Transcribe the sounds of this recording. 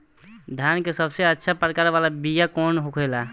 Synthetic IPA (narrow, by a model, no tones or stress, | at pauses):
d̪ʱjankesəbseətːʃʰapɾəkaːɾʋalabijakɔːnɦokʰela